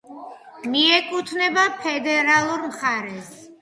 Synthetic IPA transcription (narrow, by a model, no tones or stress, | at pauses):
miɛkʼut̪ʰnɛbapʰɛd̪ɛɾalˠuɾmχaɾɛs